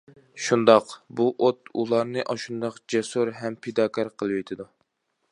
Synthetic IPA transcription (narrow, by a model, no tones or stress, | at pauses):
ʃund̪ɑqbuʔot̪ulˠɑɾnɨʔɑʃund̪ɑqd͡ʒɛsuɾɦɛmpʰed̪ɑːkʰɑɾqʰəlˠɨwet̪ʰɪd̪u